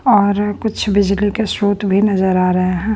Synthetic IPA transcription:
ɔːɾkʊt͡ʃʰbɪd͡ʒlikesɾuːt̪bʱinɐzəɾaːɾɐɦeɦɛ̃ː

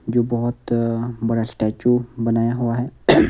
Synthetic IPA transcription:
d͡ʒobəɦut̪bəɽasʈat͡ʃubənajaɦuʋaɦe

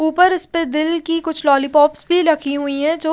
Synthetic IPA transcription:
uːpəɾɪsped̪ɪlkikʊt͡ʃʰlɔːlipɔːpsbʱiɾɐkʰiɦʊiɦɛ̃d͡ʒoː

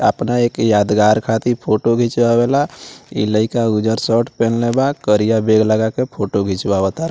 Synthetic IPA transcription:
ə̰pnaekjad̪ɡaɾkʰat̪ipʰoʈoɡʱit͡ʃwabɛlaḭləɪkaud͡ʒəɾsəʈpenlebakəɾijabeɡləɡakepʰoʈoɡʱit͡ʃwabət̪aɾa

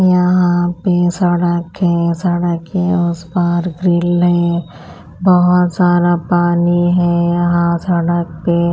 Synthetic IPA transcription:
jɐɦãpesɐɽəkɦɛsɐɽəkɦɛeʊsbaːɾɡɾɪlɦɛː | bəɦʊt̪saːd̪apaːniɦɛjɐɦãsɐɽək̚pe

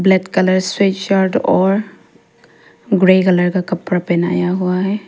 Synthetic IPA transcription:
blɛt̪kələɾswet͡ʃt͡ʃaɾɖɔːɾ | ɡɾeːkɐləɾkakɐpːɾapɛna̰ːjaɦuaɦɛː

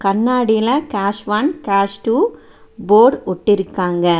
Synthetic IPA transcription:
kɐɳːaːɽɪjɪlɐkaːʃʋankaːsʈuː | boːɖɔʈːɪɾɯkːaːŋɡɐ

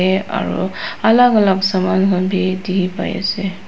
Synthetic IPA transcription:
ɛa̰ɹṵalaɡalaɡsamanɦɔnbʱidipa̰ja̰sɛ

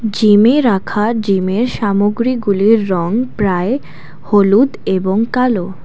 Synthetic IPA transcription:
d͡ʑimeɾakʰad͡ʑimeɾʃamoɡɾiɡuliɾːɔŋpɾae | holud̪eboŋkalo

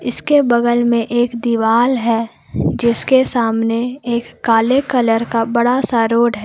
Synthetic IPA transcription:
ɪskebɐɡəlmẽʔeːkd̪iʋaːlɦɛː | d͡ʒɪskesaːmneeːkːaːlekɐləɾkabɐɽasaɾoːɽɦɛː

